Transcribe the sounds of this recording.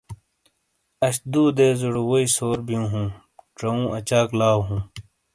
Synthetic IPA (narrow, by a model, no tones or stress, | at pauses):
ɐɕd̪uːd̪eːzuɽwoisoːɾbijũːɦũː | ʈ͡ʂɐũːʔɐt͡ɕaːklaːwɦũː